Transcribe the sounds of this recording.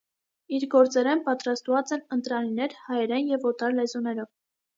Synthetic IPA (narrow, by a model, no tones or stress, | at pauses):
iɾɡɔɾt͡sɛɾɛnpɑt̪ɾɑst̪vɑt͡sɛnənt̪ɾɑninɛɾhɑjɛɾɛnjɛvɔt̪ɑɾlɛzunɛɾɔv